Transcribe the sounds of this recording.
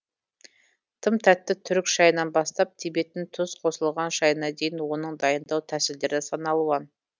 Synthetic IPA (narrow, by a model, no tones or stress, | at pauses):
t̪ʰəmt̪ʰæt̪ːɪt̪ʰʏɾɪkʃɑjənɑnbɑst̪ɑp̚t̪ʰebe̞t̪ɪnt̪ʰʊsqʰo̞səlˠʁɑnʃɑjənɑd̪e̞jɪnwo̞nəɴd̪ɑjənd̪ɑwt̪ʰæsɪld̪e̞ɾɪsɑnɑlˠuɑn